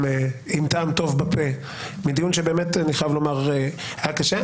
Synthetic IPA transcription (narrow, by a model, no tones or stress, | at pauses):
eimtaːmt̪o̞vbape | mid̪ijunʃebeːmetniχavlo̞maʁe | aakaʃe